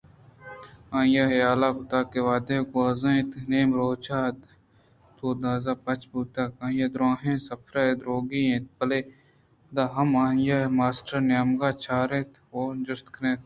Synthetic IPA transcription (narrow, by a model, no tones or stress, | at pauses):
ãːjaɦɐjaːlaːkʊt̪aːkeʋaːd̪eːkoɐzãẽt̪neːmɾoːt͡ʃʰaːt̪ | t̪oːd̪aːzaːpɐt͡ʃbuːt̪aːkãːjad̪ɾãːɦẽsɐfɾaed̪ɾoːɡiẽt̪̚pɐle | d̪aːɦɐmaːjamaːsʈəɾnjaːmɡaːt͡ʃʰaːɾẽːt̪ | oːd͡ʒʊst̪kʰnẽːt̪